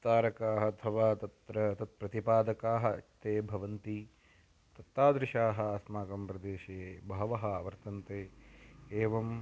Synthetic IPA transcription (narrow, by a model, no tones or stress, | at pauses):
t̪aːɾɐkaːɦɐɐt̪ʰɐʋaːt̪ɐt̪ɾɐt̪ɐt̪̚pɾɐt̪ipaːd̪ɐkaːɦɐ̆ɐ̰t̪eːbʱɐʋɐnt̪i | t̪ɐt̪ːaːd̪ɾɪʃaːɦɐ̆aːsmaːkɐmpɾɐd̪eːʃɐjeːbɐɦɐʋɐɦɐaʋɐɾt̪ɐnt̪eːeːʋɐm